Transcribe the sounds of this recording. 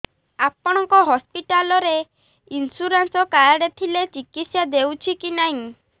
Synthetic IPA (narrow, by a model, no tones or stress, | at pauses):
apɔɽ̃ɔŋkɔɦɔspiʈalɔɾe | insuɾansɔkajɽet̪ʰilet͡ʃikit̪sjad̪ewt͡ʃʰikinaɦĩ